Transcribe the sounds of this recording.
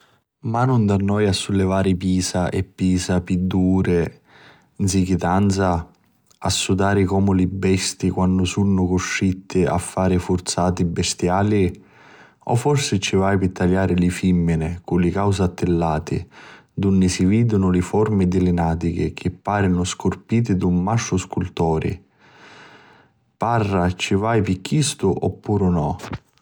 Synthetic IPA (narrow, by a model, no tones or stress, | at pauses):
manʊnd̪anːɔːjasːʊlːɪvaːɾɪpiːsaʔɛ̰pːiːsapid̪ːuːɾɪ | nsik̟ɪt̪ant̪sa | asːud̪aːɾɪkɔːmʊlɪbːɛst̪ikwanːʊsunːʊkʊʃːit̪ʰːɪa̰fːaːɾɪfʊrt̪saːt̪ibːɪst̪jaːli | ɔ̰fːɔrsɪt͡ʃːɪvajpɪt̪ʰːaʎːaːɾɪlɪfimːɪnɪkʊlɪkawsat̪ːɪlːaːt̪ɪ̰d̪unːɪsiviːd̪ʊnʊlɪfɔrmɪd̪ɪlɪnaːt̪ik̟ɪk̟ʰɪpːaːɾɪnʊskʊrpiːt̪̬ɪd̪umːaʃːʊskult̪ɔːɾɪ̰ | parːat͡ʃɪvajpikːist̪ʊʔɔpːuːɾʊnɔ